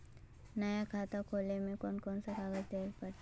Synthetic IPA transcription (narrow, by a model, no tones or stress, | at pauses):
nəjakʰaːt̪akʰoːlemẽkoːnkɔːnsakaːɡəd͡ʒd̪eːlpəɾ